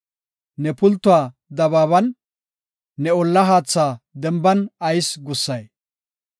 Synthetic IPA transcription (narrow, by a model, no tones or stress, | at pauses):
nɛpʊlt̪ːʊwaː | d̪ɐbaːβɐnː | ɛɔlːɐɦaːt͡sːaːd̪ɛmbɐnɐjsɡʊsːɐj